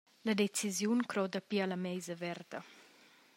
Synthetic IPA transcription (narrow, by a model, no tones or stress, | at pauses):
ləd̪et͡sizjunkɾɔd̪apialamɛjzəvɛɾd̪ə